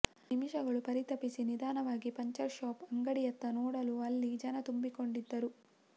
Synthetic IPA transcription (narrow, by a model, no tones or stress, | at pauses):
nimiʃɐɡɐɭupɐɾit̪ɐpisinid̪aːnɐʋaːɡipɐɲt͡ʃɐɾʃaːpɐŋɡɐɽijɐt̪ːɐnɔːɽɐluɐlːid͡ʒɐnɐt̪umbiko̞ɳɖid̪ːɐɾu